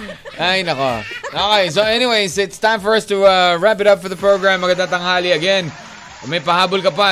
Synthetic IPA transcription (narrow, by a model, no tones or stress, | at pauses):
ʔajnɐko̰ʔoːkejsoʔɛniwejsɪt̪st̪ãɪ̃mfɔɹɐst̪uaɹap̬ɪɾɐpfɔɹðɐpɹoɡɹãmːɐɡɐnd̪aŋt̪ɐŋhaːliɐɡɛn | mɐjpɐɦaːbʊlkɐpa